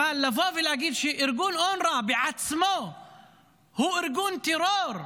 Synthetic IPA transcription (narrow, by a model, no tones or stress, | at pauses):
alːafoːvɪlʔaɡiːd̪ʃiːʔɪɾɡuːnʔoːnɾˤɑːbiʕat̪smoː | huːʔɪɾɡuːnt̪ɪɾoːɾˤ